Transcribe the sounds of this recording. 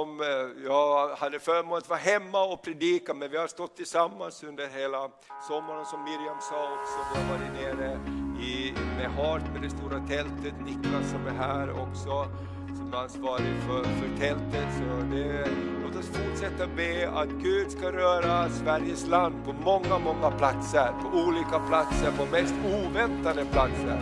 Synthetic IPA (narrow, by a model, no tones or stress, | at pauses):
ɔmjɑːhad̪ːəfœːɾəmoːlət̪vɑɦɛmːaɔpʰɾɛd̪iːkamɛnvɪhast̪ɔt̪ʰːɪlsamːansɵnd̪əɾɦeːla | sɔmːaɾənsɔmːɪɾjamsɑːɔksɔd̪ovaɾvɪneːɾəɪmɛɦɑːʈ̪mɛd̪ɛst̪uːɾat̪ʰɛlt̪ət̪nɪklasːɔmæɦæːɾɔ̰ksɔ | sɔmɛansvɑːɾɪfœfœʈ̪ʰɛlt̪ət̪sɔd̪ɛloːt̪əsfʊʈʂɛt̪ːabeːa̰t̪ɡʉ̟ːd̪skaɾœːɾasvæɾjəsland̪̚pʰɔmɔŋːamɔŋːapʰlat̪səɾpʰɔʔuːliːkapʰlat̪səɾpʰɔmɛst̪uːvɛnt̪ad̪əpʰlat̪sə̰ɾ